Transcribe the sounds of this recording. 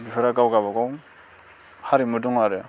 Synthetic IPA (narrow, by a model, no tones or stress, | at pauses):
bipʰɯɾaɡawɡabaɡɔw | haɾimɯduŋaɾɯ